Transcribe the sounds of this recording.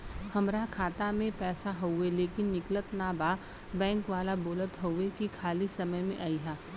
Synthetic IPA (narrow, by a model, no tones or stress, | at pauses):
hɐmɾakʰaːt̪amẽpɛːsaɦoʊeleːkɪnːɪklət̪naːbaː | bɛ̃ːŋkʋaːlaboːlət̪ɦoʊekikʰaːlisɐməjmḛ̃ʔaːiɦaː